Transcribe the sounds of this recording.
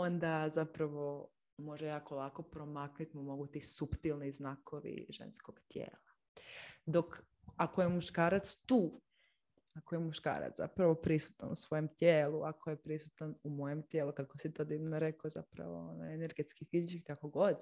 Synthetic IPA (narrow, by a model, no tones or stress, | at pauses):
o̞nd̪azapɾaʋo | mo̞ʒejakolˠako̞pɾomaknut̪imumo̞ɡut̪isupt̪ilˠniznakʰoʋḭʒḛnsko̞ɡ̥t̪jḛːlˠa | d̪o̞k | akojemuʃkaːɾat̪st̪uː | akojemuʃka̰ːɾa̰t̪za̰pɾaʋo̞pɾisu̥t̪a̰nusʋo̞jemt̪jeːlˠuʔakʰo̞jepɾisut̪anumoje̞mt̪jeːlukakosit̪od̪iʋnoɾekoza̰pɾa̰ʋo̞̰onoene̞ɾɡet̪skifizit͡ʃkikako̞ɡo̞d̪